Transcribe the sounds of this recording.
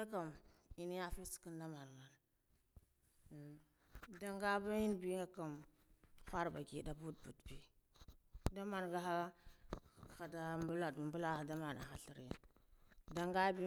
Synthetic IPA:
a˦ka˨mi˦ni˦ja˦fi˦si̥˨ki˦nda˦ma˨n˨ɡa˨n˨ | da˦ŋɡa˦ba˦ji˦nbi˦ŋɡa˨ka˨m | xʷa˦ɾba̰˨ɡi˨da˨bu˦d̚bu˨dbi˦ | da˦ma˨nɡa˦a˦˨ | xa˨da˦mbu˦la˨dmbu˦la˦a˨da˦ma˨na̰˨xa˨ɬi˨ɾḛ˨n | da˨ŋɡa˦bi˦

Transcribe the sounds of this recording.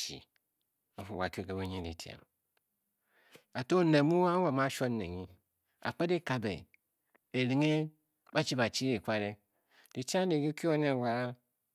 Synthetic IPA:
ḭ˨ | a˨fu˨wa̰˨ko˨ɡe˨be˦ɲe˦di˨ti˨a̰˨m | a˨to˦ne˨mu˦wa˦wa˨ma˦ʃo˦nḛ˨ɲi˦ | a̰˨k͡pe˦de˦ka˨bḛ˨ | e˨ɾi˨ŋe˦ | ba˦t͡ʃi˦ba˨t͡ʃi˦ɾe˨kʷa˦ɾe˦ | di˨ti˦a˦m˦de˨ɡi˦ki˦o˦n˦e˦˨wa˨˦

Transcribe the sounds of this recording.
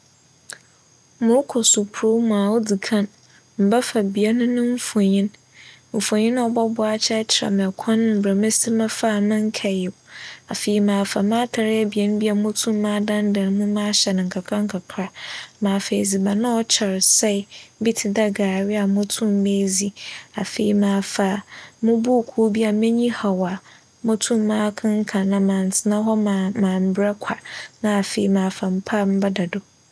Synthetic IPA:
mʊ̃˨ɾʊ˦kʰɔ˨sʊ˨pʰʊ˨ɾo˦mũ˨a˨wo˦di˨kʰã˦n | m̩˨ba˦fa˨bi˨a˦nʊ̃˦nʊ̃˦ɱ̩˦fo˨ɲĩ˦n | m̩˨fõ˨ɲĩ˦ñ˦ɔ˦bɔ˦bʊ˦a˦t͡ɕʰɛ˦t͡ɕʰɪ˨ɾa̰˨mɛ̃˨kʰɔ̃˦nʊ̃˦m̩˨bɾa˨mẽ˦si˦mã˦fa˦˨mɪ̃˦ŋ˦kʰɛ˨jɛ˨a˨fe˨i˨mãː˨fa˨mãː˦tʰa˨ɾɪ˦ɛ˦bi˨ɛ˦nʊ̃˦bi˦a˨mʊ̃˦tʰũ˦mː˦ãː˦dã˦ndã˨n˦mũ˦mã˦ɕɛ˨nɪ̃˨ŋ̩˨kʰa˨kʰa˦ŋ̩˦kʰa˨kʰɾa˦mãː˨fe˨zi˨ba˨nã˦ɔ˦t͡ɕʰɛ˨ɾsɛ˦˨˦bi˦tʰɪ˨da˦ɡaː˨ɾɪ˦a˨mʊ̃˦tʰũ˦mː˦e˦zi˨a˨fe˨i˨˦mãː˨fa˨mʊ̃˦bu˦˨kʰu˦bi˦a˨mɛ̃˦ɲĩ˦ha˨wa˨ | mʊ̃˦tʰũ˦mː˦ãː˦kʰɪ̃˦ŋ̩˦kʰã˨nã˨mãː˨n˨tʰɪ˨nã˦ɦɔ˦m˨mãː˨m̩˨bɾɛ˦kʷʰa˨nã˦a˨fe˨i˨˦mãː˨fa˨m̩˦pʰa˦m̩˦ba˦da˨do˨

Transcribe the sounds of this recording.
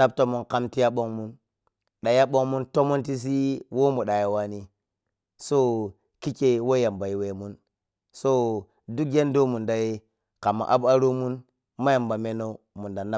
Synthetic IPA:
na˦b̚to˦mu˦nka˦mti˦ja˦ɓo˦ŋmu˦n | ɗa˨ja˦ɓo˦ŋmu˦nto˦mo˦nti˦s̬i˦wo˦mu˨ɗa˨je˨wa˦ni˦ | so˦ | ki˦t͡ʃe˦wo˦ja˨mba˨i˨we˨mu˦n | so˦ | du˦kje˦ndo˦mu˨nda˨je˦ | ka˨mːa̰˨ʔa˦ba˦ɾo˦mu˦n | ma˦ja˨mba˨me˦no˦ | mu˨nda˨na˦

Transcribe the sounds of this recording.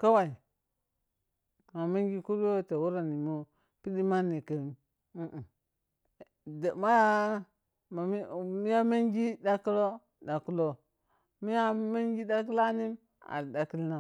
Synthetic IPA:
ka˦wa˨i˨ | ma˨ma˦ŋɡi˦ku˦ɾwo˦ta˨wu˦ɾa˨ni˨mu˦ | pi˦di˦ma˦ni˨ka˨m˨ | u˦ʔ | da˨ma˦ja˦ | ma˨˦mi˦ja˦ma˦ŋɡi˦da˦ku˦lo˦ | da˨ku˦lo˦ | mi˦ja˦ma˦ŋɡi˦da˦ki˦la˦ni˦m | a̰˨ɾda˨ki˦lna˨

